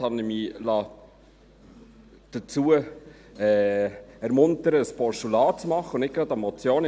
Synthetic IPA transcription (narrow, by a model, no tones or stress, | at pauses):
ɑnɪmiːlɑː | d̪̥ət͡suːə | ɛːɛɾmʊntəɾəspɔʃtulɑːt͡smɑχəʊnɪkɾɑd̪ɑmɔt͡sjoːn